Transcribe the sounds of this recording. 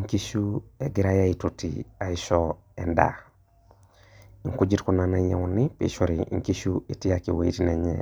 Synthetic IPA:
ŋki˦ʃu˦e˨ɡi˦ɾajai˨tutḭ˨a˨iʃɔ˦ | enda̰˨ | i˨ŋku˦d͡ʒi˦tku˦na˨na˦ɲe˨ŋuni˦pḭ˨ʃoɾiḭ˨ŋki˦ʃu˦i˨ti˦jaki˨wo˨i˦tine˨ɲḛ

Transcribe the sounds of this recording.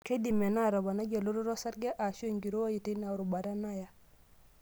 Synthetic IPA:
ke˦di˨me˨na˦˨ɾo˨ba˨na˦ɟa˨lu˦ɾu˦ɾo˦sa˦ɾɡe˦ʔa˨ʃo˦ŋɡi˨ɾu˦wa˦ji˨ti˦na˨u˨ɾu˨ba˨ɾa˦na˦ja˨

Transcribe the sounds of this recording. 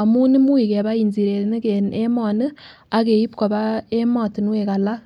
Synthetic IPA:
a˨mu˦ni˦mu˦i˨ke˨βa˦inzi˨ɾe˨ɾne˦kene˦mo˨nɯ˦ | a˨ke˨ji˦p̚ko˨βa˦e˦mo˨ti˨n˦we˨ka˨la˦

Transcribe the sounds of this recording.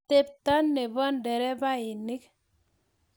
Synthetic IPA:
te˦p̚ta˦nːe˨βɔ˦ndɛ˨ɾɛ˦ba˦ɪ˨nɪ˦k

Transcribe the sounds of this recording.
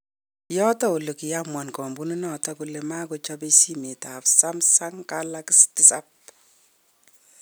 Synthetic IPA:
jɔ˦tɔ˦u˨lo˨ki˨ja˦mwa˨nkɔ˨mbu˦nu˦nɔ˨tɔ˦ku˨le˨ma˦ko˨t͡ʃɔ˦pe˦si˦me˨ta˨psa˦msa˦ŋka˦la˦ki˦sti˨˦sap̚

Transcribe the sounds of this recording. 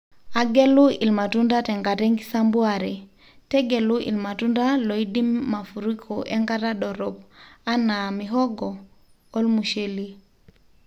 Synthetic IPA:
a˨ɡe˦lu˦i˨lma˨tu˦nda˦te˨ŋɡa˨te˦ŋɡi˦sa˦mbu˦aɾe˨ | te˦ɡe˨lu˦ʔḭ˨lma˨tu˦nda˦lo˨i˦di˦mːa˨fu˨ɾi˦kʰoʔe˦ŋɡa˦ɾa˦ɗɔ˨ɾɔpa˦na˨mi˨ɦɔ˦ɡɔː˨˦ | lmu˨ʃe˦li˦

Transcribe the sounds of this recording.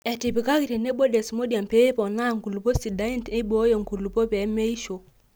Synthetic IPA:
ɛ˨ti˨pi˨ka˦ki˨ɾe˨ne˦bo˦de˨smo˦di˨a˨mpe˦pɔ˨na˦˨ŋɡu˨lu˨po˦si˨da˨˦i˦nti˦bo˦jo˨ŋɡu˨lu˨po˦pɛ˨˦me˦i˦ʃo˨

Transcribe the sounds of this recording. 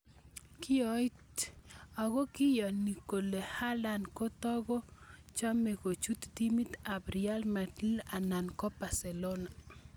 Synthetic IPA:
ki˦ɔ˦jta˨ɡo˦kɪ˦jɔ˨ni˨ko˨le˨ha˦la˦nko˦t̪ɔ˦ɡɔ˦t͡ʃa˦me˨ko˨t͡ʃu˦t̪d̪i˦mi˦t̪a˨bɾia˦lma˨tla˨na˨nkɔ˦pa˨se˨lo˦na˨

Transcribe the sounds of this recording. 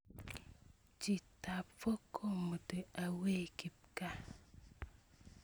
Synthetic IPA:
d͡ʒi˨ta˨pfo˦kʰo˦˨mə˨te˨a˨we˦˨ki˨p̚ka˦

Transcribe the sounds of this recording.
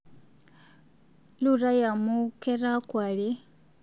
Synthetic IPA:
lu˦˨ɾa˦ja˨mu˦ke˦ɾa˦kwa˨li˦

